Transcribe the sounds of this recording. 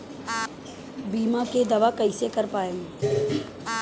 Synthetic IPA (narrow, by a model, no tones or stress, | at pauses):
biːmaked̪ɐʋakɐɪsekɐɾpaːeːŋ